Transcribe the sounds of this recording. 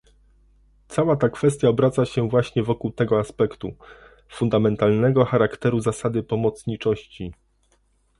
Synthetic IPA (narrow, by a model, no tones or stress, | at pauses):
t̪sawat̪akfɛst̪ʲjaɔbɾat̪saɕɛvwaɕɲɛvɔkuwt̪ɛɡɔaspɛkt̪ṵ | fund̪amɛnt̪alnɛɡɔxaɾakt̪ɛɾuzasad̪ɘpɔmɔt̪sɲit͡ʂɔɕt͡ɕi